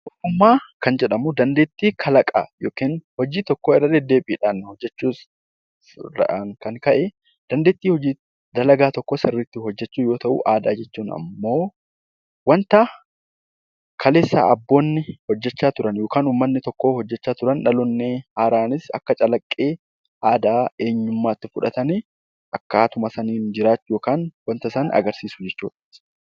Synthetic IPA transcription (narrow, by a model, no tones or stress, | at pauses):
ʔɔtːʊmːaːkɐnd͡ʒɛᶑɐmʊd̪ɐnd̪eːt̪ːiːkʰɐlɐkʼa̰joːkiːnhɔd͡ʒiːt̪ɔkːoːɪrːɐd̪ɛd̪ːe̞ːbiːᶑaːnːhɔd͡ʒːɛt͡ʃːuːs | ɐ̰ʔŋkɐŋkɐʔɛ | d̪̥ɐnd̪eːt̪ːiːhɔd͡ʒiː | d̪ɐlɐɡaːt̪ɔkːoːsɪrːɪt̪ːɪɦɔd͡ʒːɛt͡ʃːuːjo̞ːt̪ɐʔṵːʔaːd̪aːd͡ʒɛt͡ʃːuːnɐ̰mːo̞ː | wɐnt̪ɐ | kʰɐle̞ːsːa̰ːʔɐbːo̞ːnːɪhɔd͡ʒːɛt͡ʃːaːt̪ʊɾɐnjo̞ːkaːnuːmːɐnːɪt̪ɔkːoːhɔd͡ʒːɛt͡ʃːaːt̪ʊɾɐnᶑɐlɔnːeːaːɾaːnɪsɐ̰kːɐt͡ʃʼɐlɐkʼːeː | ʔaːd̪aːe̞ːɲːʊmːaːt̪ːɪfʊᶑɐ̰t̪ɐnɪ | ʔɐkːaːt̪ʊmɐsɐniːnd͡ʒɪɾaːt͡ʃːjoːkaːnwɐnt̪ɐsanɐ̰ɡɐɾsiːsʊd͡ʒɛt͡ʃːuːᶑ